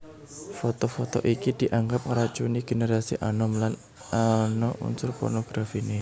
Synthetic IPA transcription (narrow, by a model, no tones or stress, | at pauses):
fɔt̪ɔfɔt̪ɔʔikid̪̥iʔaŋɡap̚ŋəɾat͡ʃuniɡ̥eneɾasḭʔanɔmlan | anɔʔṵnsʊrpɔ̰rnɔɡ̥ɾafine